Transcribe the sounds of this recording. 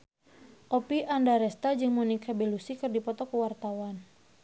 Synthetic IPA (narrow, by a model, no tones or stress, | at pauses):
ʔɔpiʔandaɾɛst̪ad͡ʒɨŋmɔnikabɛlusikɨrdipɔt̪ɔkəwart̪awan